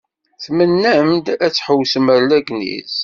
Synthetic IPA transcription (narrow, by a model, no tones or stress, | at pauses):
θmənːæmd̪æt͡sːħəwsəməɾlæɡnḭz